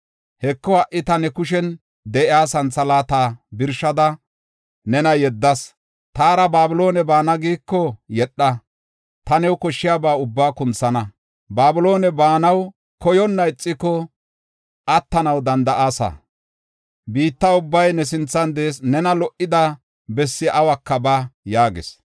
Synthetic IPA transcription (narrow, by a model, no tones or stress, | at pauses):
hɛkːɔɐʔɪt̪ɐnɛkʊʃ̬ɛn | d̪ɛʔɪaːsɐnt͡sːɐlaːt̪aːbɪɾʃɐd̪ɐ | nɛnɐjɛd̪ːɐs | t̪aːɾɐbaːbʊlo̞ːnɛbaːnɐɡiːkːɔjɛɗːɐ | t̪ɐnɛwkɔʃːɪjaːbaːʊbːaːkʊnt͡sːɐnɐ | baːbʊlo̞ːnɛbaːnɐw | kɔjɔnːɐɪt͡sʼːɪkːɔ | ʔɐt̪ːɐnɐwd̪ɐnd̪ɐʔaːsɐ̰ | biːt̪ːɐʊbːɐjnɛs̬ɪnt͡sːɐnd̪e̞ːsnɛnɐlɔʔːɪd̪ɐ | bɛsːɪʔɐwɐkːɐbajaːɡɪ̰s